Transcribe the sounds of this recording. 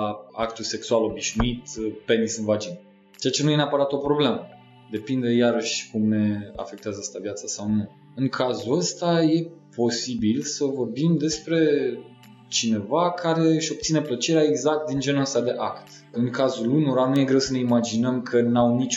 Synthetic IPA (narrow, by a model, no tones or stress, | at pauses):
akt̪ulse̞ksualo̞biʃnuit̪pe̞nisɨnvad͡ʒin | t͡ʃeat͡ʃenuje̞neapəɾat̪o̞pɾo̞ble̞mə | d̪e̞pind̪e̞jaɾəʃʲkumne̞a̰fe̞k̚t̪eazəəst̪avjat̪sasawnu | ɨŋkʰazuəst̪aje̞po̞sibilsəvo̞rbimd̪e̞spɾe̞ | t͡ʃine̞vakʰaɾe̞ɨʃʲo̞b̚t̪sine̞plət͡ʃe̞ɾeaeɡzak̚t̪̚d̪ind͡ʒe̞nuəst̪ad̪e̞ʔakt̪ | ɨŋkazulunuɾanuje̞ɡɾe̞wsəne̞imad͡ʒinəmkʰənawnit͡ʃ